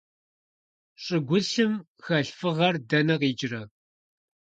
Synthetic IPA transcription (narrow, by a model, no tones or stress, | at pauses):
ɕʼɪɡʷʊɬɨm | xɐɬfɨʁɐrdɐnɐqiːd͡ʒɪrɐ